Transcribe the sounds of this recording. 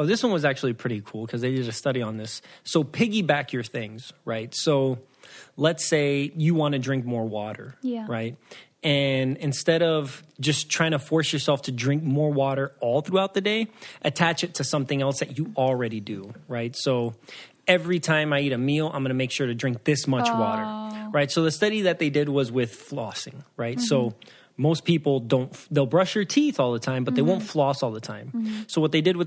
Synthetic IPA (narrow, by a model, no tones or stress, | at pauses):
ʊðɪswʌ̃nwʌzæk̚t͡ʃul̩ˠipʰɹ̥ɪɾikʰulˠkʰʌzðeɪdɨɾɨstʌɾiə̃nðɪsːoʊpʰɪɡibækʰjə˞θɪ̃ŋz̥ɹaɪtsoʊ | lətseɪjɨwɑ̃nɨdɹɪ̃ŋk̚mɔɹwɔɾə̰˞ɹaɪt̚ | ɨ̃nɨ̃nstɛɾʌv̥d͡ʒʌstʰɹ̥aɪɪ̃ŋtʰɨfɔɹsjə˞sɛlˠftʰɨdɹɪ̃ŋk̚mɔɹwɔɾə˞ɔlˠθɹuaʊt̪̚ðɨdeɪʔɨtʰæt͡ʃɨtʰɨsʌ̃mθɪ̃ŋɛlˠsðɨt͡ʃɨl̩ˠɹɛɾidɨɹaɪtsoʊ | ɛvɹitʰãɪ̃maɪiɾɨmilˠã̰ɪ̃mɡʌnəmeɪkʃʊɹɾɨdɹɪ̃ŋk̚ðɪsmʌt͡ʃwɔ̰ɾə̰˞ɹaɪtsoʊðɨstʌɾiðɨt̪̚ðeɪdɨd̚wʌzwɪð̥flɔsɪ̰̃ŋɹaɪtsoʊ | moʊspʰipl̩ˠdõʊ̃ntðeɪlˠbɹʌʃðə˞tʰiθɔlˠðətʰãɪ̃mbʌt̪̚ðeɪwõʊ̃ntflɔsɔlˠðətʰãɪ̃msoʊwʌt̪̚ðeɪdɨd̚wɨ